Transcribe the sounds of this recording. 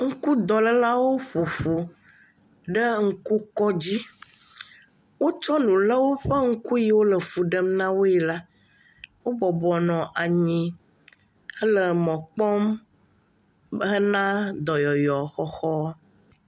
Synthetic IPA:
ŋ̩˦ku˦d̪ɔ˨lə˦la˦wo˦ɸu˨ɸu˨ | ɖə˦ŋ̩˦ku˦kɔ˦d͡ʑi˦ | wo˦t͡ʃɔ˦nũ˨lə˦wo˦ɸə˦ŋ̩˦ku˦ji˨wo˦lə˨fu˨ɖə˦mnã˦wo˦ɛ˨la˦ | wo˦bɔ˨bɔ˨nɔ̃˨ʔa˨ɲĩ˨ | ə˦lə˨mɔ̃˨k͡pɔ˦m | ɦə˦nã˦d̪ɔ˨jɔ˨jɔ˨xɔ˦xɔ˦

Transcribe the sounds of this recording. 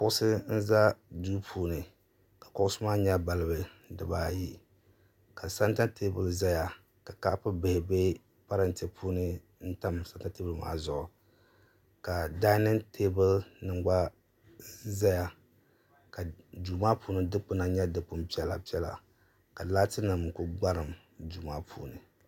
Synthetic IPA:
kʊ˦ʔʊ˦sɨ˦n̩˦za˦duː˦pʰuː˦nɨ˨ | ka˨kʊ˦ʔʊ˦sʊ˦maː˦ɲa˦ba˨lɨ˦bɨ˨dɨ˨baː˨ji˦ | ka˨sa˦nta˦te˦bɨ˨lza˦ja˨ | ka˨ka˦ʔpɨ˦bɪ˨hɪ˨be˦ | pa˦ɾa˦n˨tɛ˦pʰuː˦nɨ˦ | n̩˦ta˦msa˦nta˦te˦bɨ˦lma̰ː˦zʊ˨ʔʊ˨ | ka˨da˦nɨ˦ntʰe˦bɨ˦lnɨ˨ŋɡ͡ba˦ | za˦ja˨ | ka˨duː˨maː˦puː˦nɨ˦dɨ˦k͡pɨ˦na˨ɲɛ˦dɨ˨k͡pʊ˦m˦pi˦ɛ˦la̰˨pi˦ɛ˦la̰˨ | ka˨la˦tɨ˦nɨ˨m˨kʊ˦ɡ͡ba˦ɾɨ˨m | du˨maː˦pʰṵː˦nɨ˨

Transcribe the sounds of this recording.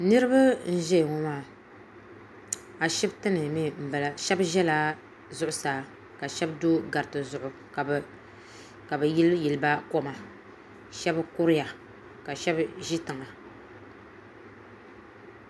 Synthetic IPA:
nɨ˦ɾɨ˦ba˦n̩˦ʒɛ˦˨ŋo˦maː˦˨ | a˨ʃɛ˦btɨ˦nɨ˨mi˦m̩˨ba˨la˨ʃɛ˦bʒɛ˦laː˦ | zʊ˦ʔʊ˦saː˨˦ | ka˨ʃɛ˦bdo˦ɡa˨ɾtɨ˨zʊ˨ʔʊ˨ | ka˨bɨ˨˦ji˨lɨ˦ba˦ko˦ma˨ | ʃɛ˦bkʊ˦ɾɪ˦ja˨ | ka˨ʃɛ˦bʒi˦tɨ˨ŋa˨

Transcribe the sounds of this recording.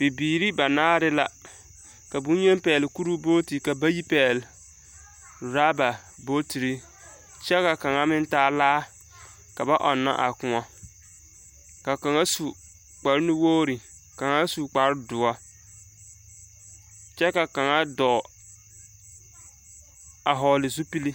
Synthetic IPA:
b̥ɪ˨biː˨ɾi˦ba˨naː˦ɾɪ˦la˦ | ka˨bu˦ɲɛ˦m˦pɛː˨lɪ˨ku˦ɾu˦boː˦ti˨ka˨ba˦ji˦pɛː˨l | ɾaː˦ba˨ | bo˦ti˨ɾi˦ | t͡ʃɛ˦ka˨ka˨ŋa˦mɪ˦n˦taː˦laː˦ | ka˨ba˦ʔɔ˨nːa̰˦ʔa˨kʊ˨ŋɔ˦ | ka˨ka˨ŋa˦su˨ | k͡pa˨ɾɪ˦nɪ˦woː˦ɾi˨ | ka˨ŋa˦su˨k͡pa˨ɾɪ˦dʊ˨ɔ˦ | t͡ʃɛ˦ka˨ka˨ŋa˦dɔ˨ | a˨ɦɔ˨lɪ˨zu˦pi˦li˦

